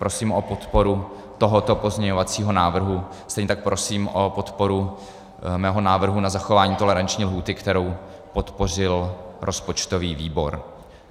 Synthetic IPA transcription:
pɾo̞siːmʔopo̞t̪po̞ɾu | t̪o̞ɦot̪o̞po̞zɲɛɲovat͡siːɦo̞naːvr̩ɦu | st̪ɛjɲɛt̪ak̚pɾʔo̞siːmʔopo̞t̪po̞ɾu | mɛːɦo̞naːvr̩ɦunazaxo̞vaːɲiːt̪o̞lɛɾant͡ʃɲiːlɦuːt̪ɪkt̪ɛɾo̞w | po̞t̪po̞r̝ɪlɾʔo̞spo̞t͡ʃt̪o̞viːviːbo̞ɾ

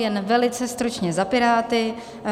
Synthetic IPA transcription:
jɛnvɛlɪt͡sɛst̪ɾut͡ʃɲɛzapɪɾaːt̪ɪ

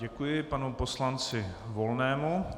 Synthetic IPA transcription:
ɟɛkujɪpanupo̞slant͡sɪvo̞lnɛːmu

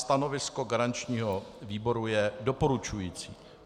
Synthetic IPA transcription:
st̪ano̞vɪsko̞ɡaɾant͡ʃɲiːɦo̞viːbo̞ɾujɛdo̞po̞ɾut͡ʃujiːt͡siː

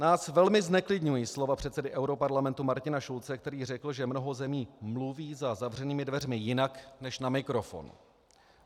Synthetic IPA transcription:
naːsvɛlmɪznɛklɪdɲujiːslo̞vapr̝̥ɛt̪sɛdɪʔɛwɾo̞paɾlamɛnt̪umaɾcɪnaʃult͡sɛk̚t̪ɛɾiːr̝ɛkl̩ʒɛmno̞ɦo̞zɛmiːmluviːzazavr̝ɛniːmɪdvɛrmɪjɪnaknɛʃnamɪkɾo̞fo̞̰nṵ

